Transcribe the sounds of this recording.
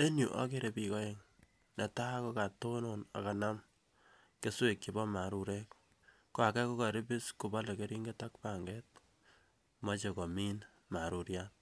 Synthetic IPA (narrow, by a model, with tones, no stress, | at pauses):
e˦nju˨ʔa̰˦ke˦ɾe˨pikɔ˦je˦ŋ | nɛ˨ta˦ko˦ka˨to˦nona̰˨ka˨na˦m | ke˦swe˨kt͡ʃi˨bɔ˦ma˨ɾu˨ɾe˦k | kwa˨kɛ˦ko˦ka˨ɾɪ˦bi˦sku˨ba˦le˨ke˦ɾi˦ŋɡe˦ta˦kpa˨ŋɡe˦t̚ | mɔ˦t͡ʃe˨kɔ˨mi˦n | ma˨ɾu˨ɾjan